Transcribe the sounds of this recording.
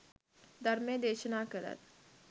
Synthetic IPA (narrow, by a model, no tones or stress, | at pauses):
d̪ʱəɾmjẽd̪eɕənakəɾa̰t̪